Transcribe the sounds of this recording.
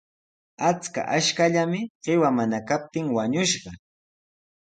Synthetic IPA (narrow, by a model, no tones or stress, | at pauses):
at͡ska̰ʔaʃkaʎamɪɢ̥ɪwamanakap̚t̪ɪŋwaɲʊʃɢɑ